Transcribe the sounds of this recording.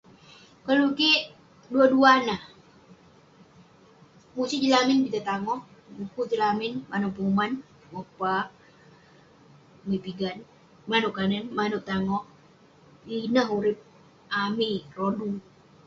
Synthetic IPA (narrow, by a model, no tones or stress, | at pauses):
kəlukeʔ | duaduanah | musid͡ʒilamɪnbit̪at̪aŋɔhbukut̪ilamɪnmanuʔpuuman | wopa | mipiɡan | manuʔkanənmanʊʔt̪aŋɔh | linəɦuɾɪp̚ | amirodu